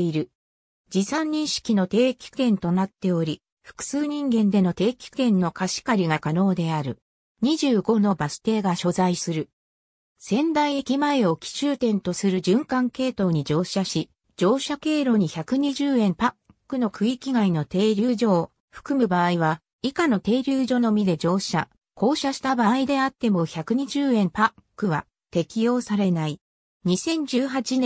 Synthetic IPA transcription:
iɾɯ̟ | d͡ʑisãɲ̟ːĩɰ̃ɕi̥kʲino̞t̪e̞ːkʲi̥kẽ̞nt̪o̞nat̪ːe̞o̞ɾʲi | ɸɯ̥kɯ̟̥sɨːɲ̟ĩŋɡẽ̞nd̪e̞no̞t̪e̞ːkʲi̥kẽ̞nːo̞kaɕi̥kaɾʲiɡakano̞ːd̪e̞aɾɯ̟ | ɲ̟iʑɨːɡo̞no̞basɨ̥t̪e̞ːɡaɕo̞zaisɨɾɯ̟ | sẽ̞nd̪aiekʲimae̞o̞kʲi̥ɕɨːt̪ẽ̞nt̪o̞sɨɾɯ̟d͡ʑɨ̃ŋkãŋke̞ːt̪o̞ːɲ̟id͡ʑo̞ːɕaɕi | d͡ʑo̞ːɕake̞ːɾo̞ɲ̟içakɯ̟ɲ̟iʑɨːẽ̞mpakːɯ̟no̞kʰɯ̟ikʲiɡaino̞t̪e̞ːɾʲɨːʑo̞ː | ɸɯ̟̥kɯ̟mɯ̟baːiβa | ikano̞t̪e̞ːɾʲɨːʑo̞no̞mʲid̪e̞d͡ʑo̞ːɕa | ko̞ːɕaɕi̥t̪abaːid̪e̞at̪ːe̞mo̞çakɯ̟ɲ̟iʑɨːẽ̞mpakkkːɯ̟βa | t̪e̞kʲijo̞ːsaɾe̞nai | ɲ̟isẽ̞ɲ̟d͡ʑɨːɦat͡ɕinẽ

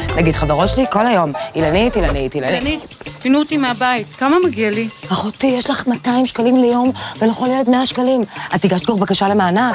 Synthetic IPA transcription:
naɡidχaveʁotʃeliko̞lhajo̞milanitilanit̪ilaini | pinut̪imeabait̪kamamaɡialipaχotijeʃlaχmataimʃkalimlejo̞mvenaχoljeledmeaʃkalimat̪iɡaʃtɡoχbakaʃalemaːna

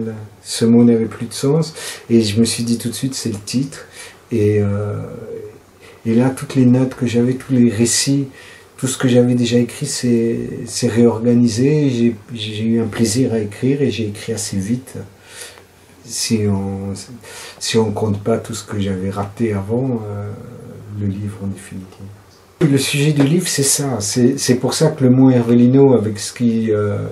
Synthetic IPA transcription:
səmɔ̃navɛplyd̪əsɑ̃seʒəməsɥid̪it̪ut̪sɥit̪sɛlət̪ʰit̪χ | eø | lat̪ut̪lenɔt̪kəʒavɛt̪ʰuleʁesi | t̪usə̥kəʒavɛd̪eʒaekχisɛsɛʁeɔʁɡanizeʒeʒʒeyɛ̃pleziʁaekχiːʁeʒeːkχiasevit̪ | siɔ̃ | siɔ̃kɔ̃t̪pat̪usə̥kəʒavɛʁat̪eavɑ̃ø | ləlivʁɑ̃d̪efinit̪ʰiv | ləsyʒɛd̪ylivʁsɛsasɛsɛpuʁsakələmoɛʁvelinoavɛksə̥kʲiø

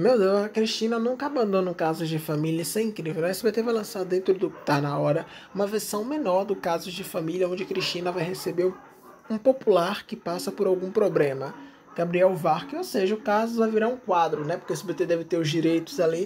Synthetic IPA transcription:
mewd̪ewzkɾiʃt͡ʃĩnɐnũkɐabɐ̃nd̪õnʊ̃kazʊzd͡ʒɪfamiliɐsẽj̃ĩkɾivewmɛjsɪbet̪evajlɐ̃saɾd̪ẽnt̪ɾʊd̪ʊkɪ̥t̪anɐɔɾɐũmɐveɾsɐ̃w̃mẽnɔɾd̪ʊkazʊd͡ʒɪfamiliɐõnd͡ʒɪkɾiʃt͡ʃĩnɐvajhesebeɾ | ũpopulaɾkɪpasɐpoɾawɡũpɾoblẽmɐ | ɡ̥abɾiɛwvaɾkɪowseʒɐʊkazʊvajviɾaũkwad̪ɾʊnɛpoɾkesʊbet̪ed̪ɛvɪt̪eɾʊzd͡ʒiɾejt̪ʊzali

